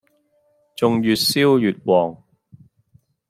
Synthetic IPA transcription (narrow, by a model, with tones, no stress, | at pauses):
t͡sʊ˨ŋjyː˨t̚siː˥wjyː˨t̚wɔː˨ŋ